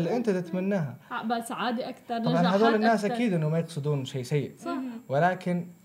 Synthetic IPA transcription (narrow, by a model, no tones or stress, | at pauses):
lːiʔɪnt̪at̪ɪt̪manːaːɦabasaʕaːd̪iʔaktɑɾˤamanħad̪oːlɪnːaːsʔakiːd̪ʔɪnːʊmajɪqsˤɨd̪uːnʃeːsajːɪʔwɪlaːkɪn